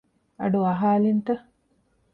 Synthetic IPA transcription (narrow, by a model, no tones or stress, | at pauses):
ɐ̰ɖuɐɦaːlint̪ɐ